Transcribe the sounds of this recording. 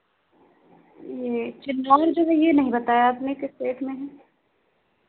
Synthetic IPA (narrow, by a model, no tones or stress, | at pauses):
jeːt͡ʃɪnːaəɾd͡ʒoɡʱejenɐɦĩbɐt̪aːjaaːpnekɪseːʈʰmẽɦɛː